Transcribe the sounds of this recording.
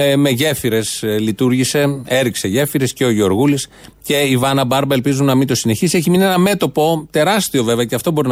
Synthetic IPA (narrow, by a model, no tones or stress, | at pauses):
me̞ʝe̞fiɾe̞slit̪uɾʝise̞e̞ɾikse̞ʝe̞fiɾe̞sceoʝeo̞ɾɣulis | ce̞ivɐnɐbɐɾbɐe̞lpizunːɐmint̪o̞sine̞çisieçiminienɐme̞t̪o̞po̞t̪e̞ɾɐst̪io̞ve̞veɐceɐft̪o̞bo̞ɾin